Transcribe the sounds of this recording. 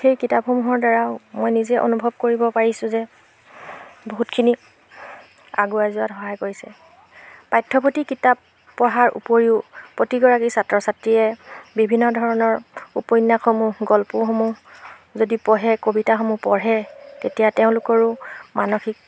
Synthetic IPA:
xejkitapxomuɦɔɹdaɹaʊmɔjnizɛʔo̰nubʱɔb̚koɹibɔpaɹisʊ̃zɛ | boɦutkʰini | a̰ɡuajzʊatxɔɦajkoɹisɛ | pajtʰːɔpotikitap | pːɔɦaɹṵpoɹiʊpotiɡɔɹakisatɹɔsatɹiɛbibʱinːɔdʱɔɹɔnɔɹupɔjnːaxomuɦɡɔlpʊxomuɦ | zodipɔɦɛkobitaxomupɔɹɦɛtetijateʊ̃lʊkɔɹʊmanoxik̚

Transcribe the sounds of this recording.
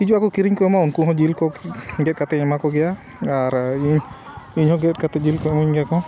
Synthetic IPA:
kid͡ʒuakɔkiɾiɲkɔjɔmaunkuɦɔ̃d͡ʒilkɔɡɛt̚kat̪ɛɛmakɔɡɛja | aɾiɲiɲhɔ̃ɡɛt̚kat̪ɛd͡ʒilkɔuɲɡɛjakɔ

